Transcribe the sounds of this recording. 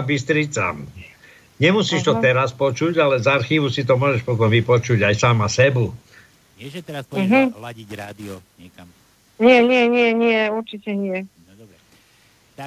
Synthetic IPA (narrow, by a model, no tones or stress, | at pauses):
bist̪ɾit͡sa̰m | ɲɛmusiːʃt̪ɔɛɾaspɔt͡ʃuɟalɛzaɾxiːʋusit̪̬ɔmʊɔːʒɛʃpɔt̪ɔmʋipɔt͡ʃuɟajsaːmasɛbu | m̩ɦ̩liɾad̪iɔ | ɲɪɛɲɪɛɲɪɛɲɪɛuɾt͡ʃicɛɲɪɛ